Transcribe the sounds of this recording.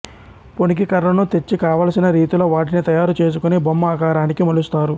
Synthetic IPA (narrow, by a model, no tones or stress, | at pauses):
po̞nik̬ikɐɾlɐnut̪e̞t͡ʃːikaːʋaːlɐsinɐɾiːt̪uloːʋaːʈ̬init̪ɐjaːɾut͡ʃe̞ːs̬ukunibomːɐaːkaːɾaːnikimɐlust̪aːɾu